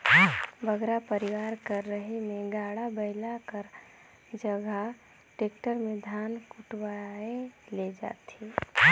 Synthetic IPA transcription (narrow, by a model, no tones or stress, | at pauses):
bəɡɾapəɾɪʋaːɾkəɾːəɦemẽɡaːɽabəɪlakəɾ | d͡ʒəɡʱa | ʈeːkʈəɾmẽd̪ʱaːnkʊʈwaeled͡ʒa̰ːt̪i